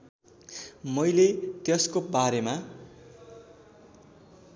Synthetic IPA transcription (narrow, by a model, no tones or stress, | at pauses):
mʌjlet̪jʌskobaɾema